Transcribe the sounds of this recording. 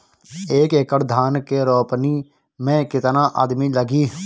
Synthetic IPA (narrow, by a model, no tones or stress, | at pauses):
eːkekəɽd̪ʱaːnkeːɾɔːpniː | mɛ̃ːkɪt̪nãːʔa̰ːd̪miːləɡiː